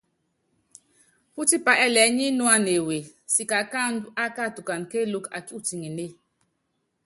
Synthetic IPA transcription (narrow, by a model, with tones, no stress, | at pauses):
pu˦ti˦pa˨ʔɛ˦lɛ˨˦ɲi˦nu˦a˦ne˨we˨si˨ka˨ka˦a˦ka˦˨tu˨ka˨nke˦lu˦ka̰˨ki˦u˦ti˨ŋi˨ne˦